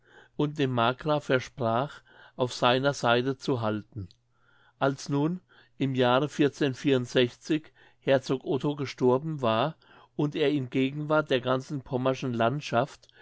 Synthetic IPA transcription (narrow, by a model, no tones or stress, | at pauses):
ʔʊnt̚d̥eːmːaːkʁafɛɐʃpʁ̥aːχ | ʔaʊfz̥aɪnɐzaɪtət͡suɦaltn̩ | ʔalsnuːn | ʔɪmjaːʁəfɪɐt͡seːnfiːɐʊntz̥ɛçt͡sɪç | hɛɐt͡soːkʔotʰoɡəʃtɔɐbn̩vaːɐ | ʊnteːɐɪnɡeːɡŋ̩vaɐt̚d̥eːɐɡant͡sn̩pʰɔmaʃn̩lantʃaft